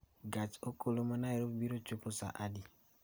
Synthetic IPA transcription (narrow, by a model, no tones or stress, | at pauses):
ɡat͡ʃokolomanaeɾopbiɾot͡ʃuposa̰ʔadi